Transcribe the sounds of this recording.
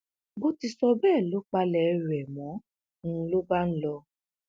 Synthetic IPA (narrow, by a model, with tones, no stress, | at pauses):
bo˦ti˧sɔ˧bɛː˦˨lo˨˦k͡pa˧lɛ˧˦ɾɛ˨mɔ̃˨˦˧ | lo˦ba˦n̩˦lɔ˧